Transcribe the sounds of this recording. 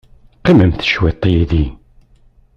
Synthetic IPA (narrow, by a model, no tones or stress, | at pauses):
qːiməmθə̥ʃwet̪ˤːjiði